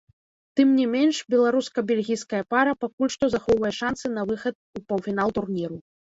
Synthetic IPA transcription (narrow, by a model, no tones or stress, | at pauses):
t̪ɨmnʲimʲenʂbʲɛlˠaɾuskɐbʲɛlʲɣʲijskɐjɐpaɾɐpakulʲʂt̪ɔzaxɔwvɐjɛʂansɨn̪ɐvɨxɐt̪̚upɐwfʲinalˠt̪urnʲiɾu